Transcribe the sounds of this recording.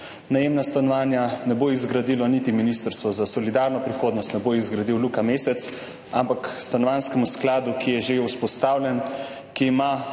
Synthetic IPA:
najemnast̪anɔʋaːnjanɛboizɡɾad̪iːlɔnit̪iminist̪əɾst̪ʋɔzasɔlid̪aɾnɔpɾixoːd̪nɔst̪nɛboizɡɾad̪iwlukameːsɛt̪s | ampakst̪anɔʋanskɛmusklaːd̪ukʰijɛʒeuspɔst̪aːwlʲjɛn | kiːma

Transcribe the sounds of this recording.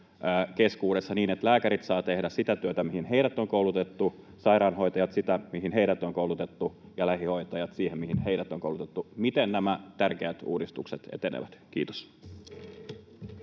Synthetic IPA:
keskuːɾe̞sːɑniːnet̪læːkæɾit̪sɑːt̪e̞hdæssit̪æt̪yøt̪æmihinɦeiɾæt̪ːoŋkoulut̪et̪ːu | sɑiɾɑːnɦo̞jt̪ɑjɑt̪sit̪æmiɦinheiɾæt̪ːoŋkoulut̪et̪ːujɑlæhiho̞it̪ɑjɑt̪siːhemmihinheiɾæt̪ːoŋkoulut̪et̪ːumit̪ennæmæt̪ærkeæt̪ṵːdist̪ukset̪ḛt̪enḛʋæt̪k̟iːt̪o̥s

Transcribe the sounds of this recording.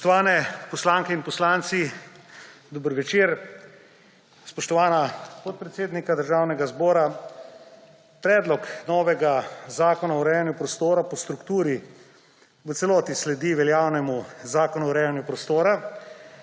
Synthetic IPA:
spɔʃt̪ɔʋaːnɛpɔslaŋkɛinpɔslaːnt̪si | d̪ɔbəɾʋɛt͡ʃeɾ | spɔʃt̪ɔʋaːnapɔt̪̚pɾɛt̪seːd̪nikad̪əɾʒaːwnɛɡazbɔːɾa | pɾɛːd̪lɔknɔːʋɛɡazaːkɔnaɔɾɛjanjupɾɔst̪oːɾapɔst̪ɾukt̪uːɾi | ʋət̪sɛlɔːt̪islɛd̪iʋɛljaːwnɛmuzaːkɔnuɔɾɛːjanjupɾɔst̪oːɾa

